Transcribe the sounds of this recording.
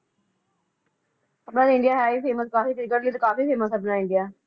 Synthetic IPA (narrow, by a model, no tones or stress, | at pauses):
əbnaːd̪ɪ̃ɳɖɪjaːɦɛːiːfeːməskaːfiːk̪ɾɪɡəʈliːt̪ːkaːfiːfeːməsəbnãːɪ̃ɳɖijaː